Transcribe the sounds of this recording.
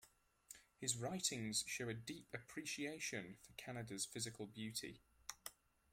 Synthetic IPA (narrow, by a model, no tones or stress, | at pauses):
hɪzɹaɪtʰɪ̃ŋz̥ʃoʊədiˑpəpʰɹ̥iˑʃieɪʃə̃nfəkʰanədəz̥fɪzɪkʰəlˠbjʉˑtʰɪ̰